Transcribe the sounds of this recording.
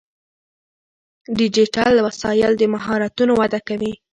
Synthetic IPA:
ɖid͡ʒiʈalːawasɑjɪld̪əmaɦɑɾat̪unowad̪akawi

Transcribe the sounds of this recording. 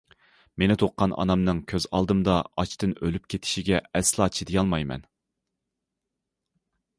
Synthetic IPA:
menɪt̪ʰoqqːɑnʔɑ̰nɑmnɨŋkʲʰøz̥ɑ̰lˠd̪ɨmd̪ɑɑt͡ʃt̪ɨnølyp̚kʲʰet̪ʰɪ̥ʃiɡʲɛɛslˠɑːt͡ʃʰid̪ijɑlˠmɑjmɛ̰n

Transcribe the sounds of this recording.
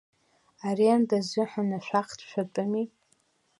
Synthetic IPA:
aɾiandazʷɪħanaʃʷᶣaχtʰʃʷᶣatʼɨmi

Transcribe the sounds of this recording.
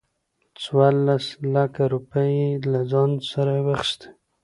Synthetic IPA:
t͡swɑɾlaslakaɾupəjelazɑnsaɾawəxst̪ḁ

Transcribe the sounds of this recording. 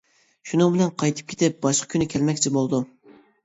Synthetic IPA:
ʃunɨŋbɪlɛnqʰɑjt̪ʰɨ̥p̚kʲʰe̥t̪ɪp̚b̥ɑʃqʰɑ̥kʲʰynykʲʰɛlmɛkʲt͡ʃʰibolˠd̪u

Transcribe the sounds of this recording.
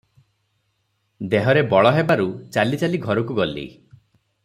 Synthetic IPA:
d̪eɦɔɾebɔɭɔɦebaɾut͡ʃalit͡ʃaliɡʱɔɾɔkuɡɔlḭ

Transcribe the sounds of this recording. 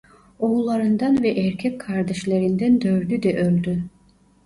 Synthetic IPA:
oulˠːaɾɯnd̪ɑnvɛʔːɾcʲʰɛkʰkʰːaɾd̪eʃlʲeɾind̪ænd̪øɾd̪yd̪ɛʔølʲd̪y

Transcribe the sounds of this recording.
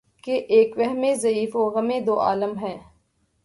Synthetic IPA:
keʔeːkʋɛɦmẽzɐiːfoːɣɐmẽd̪oːʔa̰ːləmɦɛ̃ː

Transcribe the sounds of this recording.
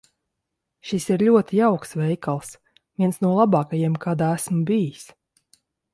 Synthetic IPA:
ʃisiɾlʲuɔt̪ijawksvʲɛjkalˠs | vʲiɛnsnuɔlˠabɑːkajiɛmkaːd̪aːæsmubijis

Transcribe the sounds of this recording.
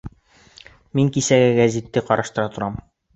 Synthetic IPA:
miŋkisæɡæɡæzʲit̪ːɘqɒɾɑʃt̪ɤ̆ɾɑt̪ŏɾɑm

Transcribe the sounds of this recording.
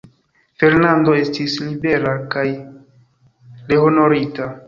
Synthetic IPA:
fe̞ɾnando̞e̞stislibe̞ɾakaj | leɦo̞no̞ɾita

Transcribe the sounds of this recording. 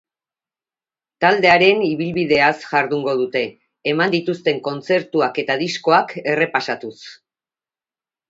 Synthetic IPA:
t̪ald̪e̞aɾe̞niβilβið̞e̞asʝaɾðuŋɡo̞ð̞ut̪e̞ː | mand̪it̪ust̪e̞ŋko̞nt͡se̞ɾt̪uake̞t̪aðisko̞ake̞re̞pasat̪us

